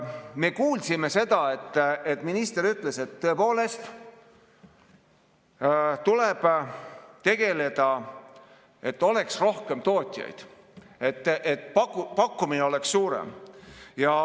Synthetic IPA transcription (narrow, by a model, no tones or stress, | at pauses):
me̞kuːlsime̞se̞d̪̥ɑe̞t̪ːet̪ːminist̪e̞ɾyt̪ːˑle̞se̞t̪ːøe̞po̞ːle̞st̪ | t̪ule̞b̥ | t̪e̞ɡ̥e̞le̞d̪̥ɑ | e̞t̪ːˑo̞le̞ksro̞hke̞mt̪o̞ːt̪ʲˑjɑ̰jd̪̥ | e̞t̪ːʔet̪pɑkupɑkːumineo̞le̞kssuːɾḛmjɑ